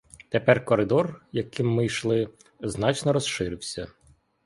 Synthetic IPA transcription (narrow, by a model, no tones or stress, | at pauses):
t̪epɛrkɔɾɪd̪ɔrjɐkɪmːɪjʃlˠɪ | znɑt͡ʃnɔɾɔsʃɪɾɪwsʲɐ